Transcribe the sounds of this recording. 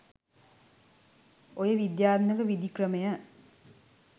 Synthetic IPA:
ojəʋid̪jaːt̪nəkəʋid̪ikrəmejə

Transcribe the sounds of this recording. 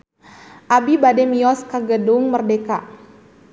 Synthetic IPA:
ʔabibadɛmiɔskəɡəduŋmərdeka

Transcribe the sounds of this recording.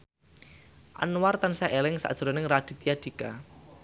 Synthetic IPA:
ʔa̰nwart̪ansaʔelɪŋsa̰ʔd̥ʒ̥̤ɾɔnɪŋrad̥i̤t̪ijad̥ika̰

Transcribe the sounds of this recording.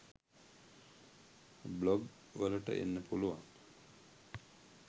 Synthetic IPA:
blɔɡ | ʋələʈə̰ʔḛnːəpʰuluʋan

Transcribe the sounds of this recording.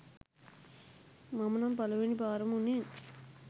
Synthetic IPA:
mɐmɐnambɐlɐʋeɳibaːɾɐmunːen

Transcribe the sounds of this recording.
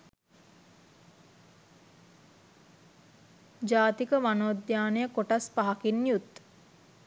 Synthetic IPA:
d͡ʒaːt̪ikəʋanoːd̪jaːnejəkoʈaspaɦakinjut̪

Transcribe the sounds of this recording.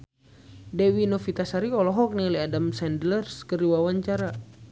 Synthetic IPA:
dɛwinɔfit̪asaɾiɔlɔɦɔk̚niliadamsɛndlərskəɾiwawaɲt͡ʃaɾa

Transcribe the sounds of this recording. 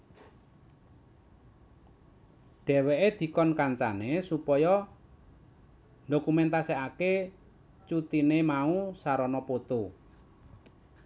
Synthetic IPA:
ɖ̥ɛ̤wɛʔed̪̥i̤kɔnkaɲt͡ʃanesupɔjɔ | ndokumɛnt̪aseake | t͡ʃut̪inemausaɾɔnɔpot̪u

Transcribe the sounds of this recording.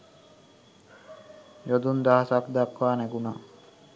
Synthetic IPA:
jod̪und̪aɦasakd̪akʋaːnæɡuna

